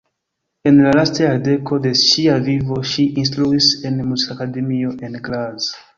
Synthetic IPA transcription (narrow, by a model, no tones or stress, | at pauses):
e̞nlalastajaɾde̞ko̞de̞ʃiavivo̞ʃiʔins̬tɾuise̞nmusakade̞mio̞ʔe̞nɡlaz